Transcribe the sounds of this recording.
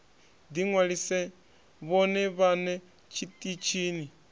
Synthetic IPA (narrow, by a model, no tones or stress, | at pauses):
d̪iŋwaɺisɛ | βɔnɛβanɛ | t͡ʃʰitʼit͡ʃʰiːni